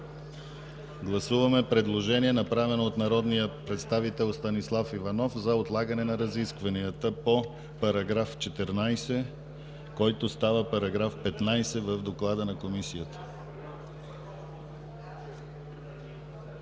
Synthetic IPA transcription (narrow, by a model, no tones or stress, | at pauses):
ɡlˠɐsuvɐmɛpɾɛd̪lˠoʒɛniɛnɐpɾavɛnoːt̪nɐɾɔd̪nijəpɾɛt̪st̪avit̪ɛlˠst̪ɐnislˠafivɐnɔfzɐot̪lˠaɡənɛnɐɾɐziskvɐniət̪əpo | pɐɾɐɡɾaft͡ʃɛt̪ɛɾnajsɛ | kɔjt̪ost̪avəpɐɾɐɡɾafpɛt̪najsɛvəvd̪oklˠad̪ənɐkomisijət̪ə̥